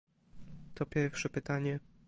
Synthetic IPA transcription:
t̪ɔpʲjɛɾfʂɛpɘt̪aɲɛ

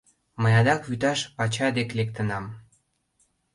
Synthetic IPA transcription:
məjɑd̪ɑkβyt̪ɑʃpɑt͡ɕɑd̪eklek̚t̪ə̆nɑm

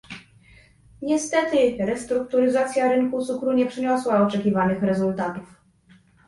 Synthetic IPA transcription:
ɲɛst̪ɛt̪ɘɾɛst̪ɾuk̚t̪uɾɘzat̪sʲjaɾɘŋkut̪sukɾuɲɛpʂɘɲɔswaɔt͡ʂɛkʲivanɘxɾɛzult̪at̪uf

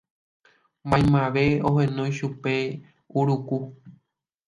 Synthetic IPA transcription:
mãj̃mãʋe̞oɦẽnõj̃ʃupe̞ | uɾuku

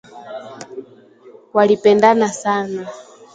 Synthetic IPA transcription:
walipɛndanasana

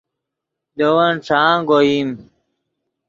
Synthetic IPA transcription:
d̪owɐnʈ͡ʂaːɡoim

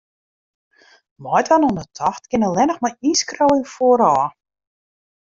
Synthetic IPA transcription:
mɔjtʋanɔnətʰɔxtkɪnəlɛnəxmɔjiskrowɪnfoəɾɔː

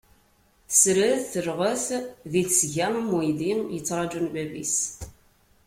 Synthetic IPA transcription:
sɾəθθəɾʁəθðiθsʝæmmujlinjət͡sːɾˤɑd͡ʒunbæbḭs

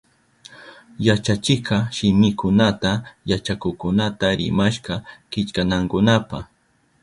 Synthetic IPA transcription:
jat͡ʃat͡ʃɪkɑʃɪmɪkʊnat̪ajat͡ʃakʊkʊnat̪aɾɪ̰maʃqɑkɪt͡ʃkanaŋkʊnapa

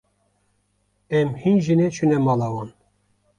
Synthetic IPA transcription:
ɛmhinʒinɛt͡ʃʰunɛmɑlɑwɑn

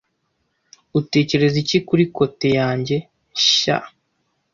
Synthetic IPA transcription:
ute̞ːce̞ɾe̞zicikuɾiko̞te̞jaːɲɟe̞ | ʃa̰

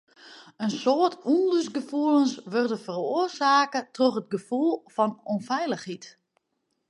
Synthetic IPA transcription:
ənsoərtʰunlysɡəfuəlˠənsʋørdəfəroərsaːkətroxət̚ɡəfulˠfɔnonfɛjləxhit

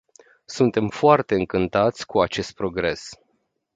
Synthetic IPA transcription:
sunt̪e̞mfoart̪e̞ɨŋkɨnt̪at̪sʲkuat͡ʃe̞st̪̚pɾo̞ɡɾe̞s

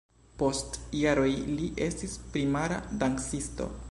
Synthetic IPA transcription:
po̞stjaɾo̞jliʔe̞stispɾimaɾadaŋksisto̞̰

